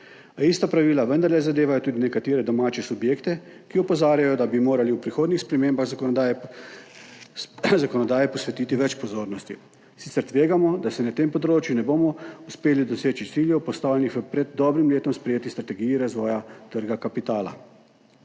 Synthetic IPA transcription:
ist̪apɾaʋiːlaʋənd̪aɾlɛzad̪eːʋajɔt̪uːd̪inɛkat̪eːɾɛd̪ɔmaːt͡ʃɛsubjeːkt̪ɛ | kiɔpɔzaːɾjajɔd̪abimoːɾaliupɾixoːd̪nixspɾɛmeːmbax | zakɔnɔd̪aːjɛpɔsʋɛt̪it̪iʋɛt͡ʃpɔzoːɾnɔst̪i | sit̪sɛɾt̪ʋeːɡamɔd̪asɛnat̪empɔd̪ɾoːt͡ʃjunɛboːmɔuspeːlid̪ɔseːt͡ʃit̪siːljɛwpɔst̪aːwlʲɛnixʋpɾɛd̪̚ːɔːbɾimleːt̪ɔmspɾɛjeːt̪ist̪ɾat̪ɛɡiːjiɾazʋɔːjat̪əɾɡakapit̪aːla̰

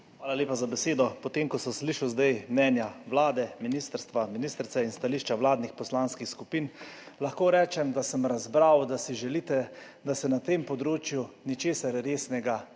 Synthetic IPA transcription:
xʋaːlalʲeːpazabɛseːd̪ɔpɔt̪eːmkɔsəmsliːʃawzd̪ajmnɛːnjaʋlaːd̪ɛminiːst̪əɾst̪ʋaminiːst̪ɾt̪sɛinst̪aliʃt͡ʃaʋlaːd̪nixpɔslaːnskixskupiːnlaxkoːɾɛːt͡ʃɛmd̪asəmɾazbɾawd̪asiʒɛliːt̪ɛ | d̪asɛnat̪empɔd̪ɾoːt͡ʃjunit͡ʃeːsaɾɾeːsnɛɡa

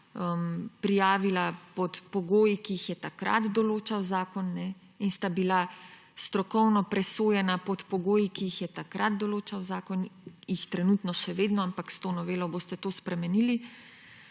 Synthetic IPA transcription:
əmpɾijaːʋilapɔt̪pɔɡoːjikiixjɛt̪akɾa̰d̪d̪ɔloːt͡ʃawzaːkɔnːɛ | inst̪abila | st̪ɾɔkɔwnɔpɾɛsoːjɛnapɔt̪pɔɡoːjikiixjɛt̪akɾad̪̚d̪ɔloːt͡ʃawzaːkɔnjixt̪ɾɛnut̪nɔʃɛʋeːd̪nɔampakst̪onɔʋeːlɔboːst̪ɛt̪oːspɾɛmɛnili

